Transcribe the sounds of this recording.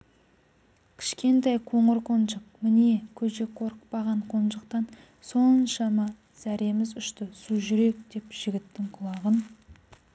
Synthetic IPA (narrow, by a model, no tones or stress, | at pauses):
kʲʰɪ̥ʃkʲe̞nt̪ɑjqʰo̞ɴəɾqʰo̞nʒəq̚mɪnekʲʰɵʃe̞kqʰo̞ɾəqpɑʁɑɴqʰo̞nʒəqt̪ɑn | so̞nnʃɑmɑ | z̥æɾe̞mɪzʏʃt̪ɪsuʒʏɾe̞k̚d̪̥e̞pʒ̥ɪɡʲɪt̪ːɪŋqʰʊlˠɑʁən